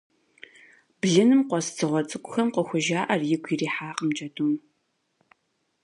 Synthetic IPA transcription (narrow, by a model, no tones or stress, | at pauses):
b̥ɮɨnɨmqʷɔst͡sʰɨʁʷɔt͡sʼɨkʷʊxɐmqəxʷʊʒaːʔɐrjɪɡʷʰiriːħaːqəmd͡ʒʼɐduːm